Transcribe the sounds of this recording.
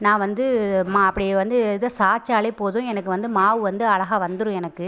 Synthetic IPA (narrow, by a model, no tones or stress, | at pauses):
nãːʋɐnd̪ɯmaːɐpːɐɽɪjeʋɐnd̪ɯɪðɐsaːt͡ʃːaːɭɐɪpoːðʊ̃ɛnɐkːɯʋɐnd̪ɯmaːʋɯʋɐnd̪ɯɐɭɐɣaːʋɐnd̪ɯɾʊ̃ɛnɐkːɯ